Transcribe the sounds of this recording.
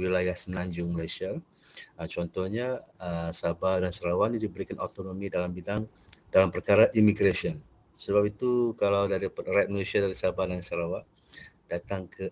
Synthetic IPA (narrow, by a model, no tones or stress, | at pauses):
wilajahsəmənaɲd͡ʒʊŋməlesia | ət͡ʃɔnt̪ɔhɲaːsabadansəɾawaʔnidibəɾikano̰t̪onomidalambidaŋ | dalampərkaɾaʔimiɡɾesiɔn | səbap̚it̪ukalawdaɾiparajt̪̚məlesiadaɾisabadansəɾawan | d̥at̪aŋkʰə